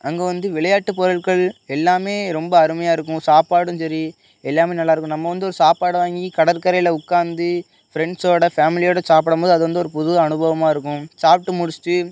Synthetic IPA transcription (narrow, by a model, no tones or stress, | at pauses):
ɐŋɡeːʋɐnd̪ɯʋɪɭɐjaːʈːɯpɔɾɐɭkɐɭɛlːaːmeːɾɔmbɐɐɾɯmɐjaːɪɾɯkːʊ̃saːpaːɽɯmsɐɾi | ɛlːaːmeːnɐlːaːɪɾɯkːʊ̃mnɐmːɐʋɐnd̪ɯɔɾɯsaːpaːɽʋaːŋɡikɐɽɐɾkɐɾɐjlɐʊkːaːnd̪ɯ | fɪɾɛɳɖsoːɽɐfaːmɪlɪjoːɽɐsaːp̬ɪɽɐmpoːðɯɐðɯʋɐnd̪ɯɔɾɯpʊðɯɣɐːnɯbɐʋɐmaːɪɾɯkːʊ̃saːp̚ʈːɯmʊɽɪst̪ːɯ